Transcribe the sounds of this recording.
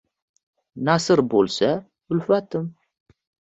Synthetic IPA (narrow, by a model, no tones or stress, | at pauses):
nɑsəɾbolsa | ʊlfat̪ʰɨm